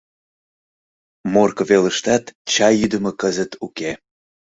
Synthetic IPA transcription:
morkəveləʃt̪ɑt̪t͡ɕɑjyd̪əmə̆kəzət̪ʰuke

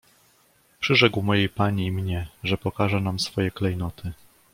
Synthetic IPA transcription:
pʂɘʐɛkwmɔjejpaɲiːmɲɛʐɛpɔkaʐɛnamsfɔjɛklɛjnɔt̪ɘ

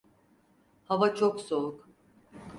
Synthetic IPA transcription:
havat͡ʃʰoksolˠuk

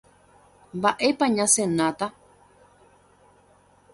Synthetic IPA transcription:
mbaʔepaɲãsenãt̪a

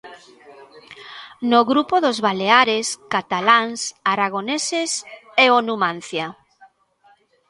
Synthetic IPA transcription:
noɣɾupoðozβaleaɾeskat̪alaŋsaɾaɣ̞oneseseonumãn̟θja

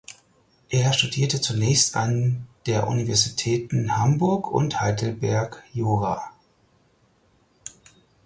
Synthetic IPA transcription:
ʔeːɐʃtudiːɐtət͡sunɛːçsta̰nd̥eːɐʔṵnivɛɐzitʰɛːtn̩hambʊɐkʰʊ̰nthaɪdl̩bɛɐkjoːʁaː

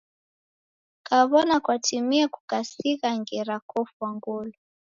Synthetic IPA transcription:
kaβɔnakwatimiakukasiɣaŋɡɛɾakɔfwaŋɡɔlɔ

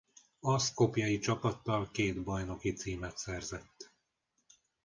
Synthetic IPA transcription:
ɒsko̞pjɒjit͡ʃɒpɒt̪ːɒlkeːd̪bɒjno̞kit̪siːmɛt̪sɛrzɛt̪ː

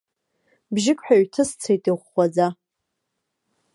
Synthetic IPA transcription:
bʒɪkʷʼħᶣaɥtʰɨst͡sʰejtʼiʁʷːad͡za

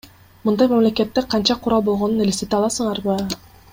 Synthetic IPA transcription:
mɯnd̪ɑjmamle̞ke̞t̪ːeqʰɑnt͡ʃɑqʰʊɾɑlˠbo̞lˠʁo̞nunelʲeset̪eɑlˠɑsɯɴɑɾbɯ

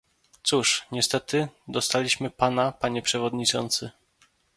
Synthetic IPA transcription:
t̪suʂɲɛst̪ɛt̪ɘd̪ɔst̪alʲiɕmɘpanapaɲɛpʂɛvɔd̪ɲit͡ʂɔnt̪sɘ

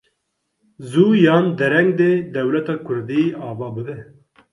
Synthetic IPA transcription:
zuːjɑːnd̪ɛɾɛŋɡd̪eːd̪ɛwlɛt̪ɑːkʰʊɾd̪iːɑːvɑːbɨd̪ɛ

